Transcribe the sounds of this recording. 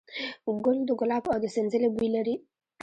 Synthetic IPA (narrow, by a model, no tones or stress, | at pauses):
uɡoldoɡolakɔdisenzelebuileɾi